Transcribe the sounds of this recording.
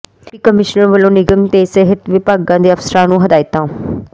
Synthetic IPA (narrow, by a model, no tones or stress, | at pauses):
iːkəmɪʃnəɾʋəlõːnɪɡəmt̪eːseɦət̪ʋɪpaːɡãːd̪eːəfsəɾãːnũːɦəd̪aːɪt̪ãː